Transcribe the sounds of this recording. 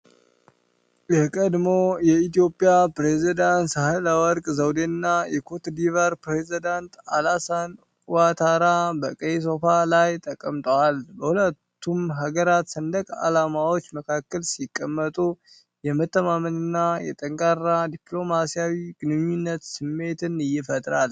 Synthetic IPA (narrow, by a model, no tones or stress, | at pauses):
jɛhkʼəd̪mo̞jɛit̪ijo̞pʼijapɾezid̪ansəhɨləwɔɾkʼzəwd̪eɨnːajɛkʰot̪d̪ivəɾpɾezid̪ant̪alasan | wat̪ʰaɾabəkʼəs̬o̞falajt̪ʼəkʼəmt̪ʼəwalbəhulət̪ːumɦaɡəɾat̪sənd̪əkʼa̰lamawo̞t͡ʃːməkʰakːəlsikʼːəmːət̪ʼu | jɛmət̪ʰːəmamənɨnːajɛ̰t̪ʼəŋkʼarːad̪iplo̞masijawiɡ̥ɨnɨɲːunːət̪sɨmːe̞t̪ʰɨnɨjːɪfət̪ʼɾal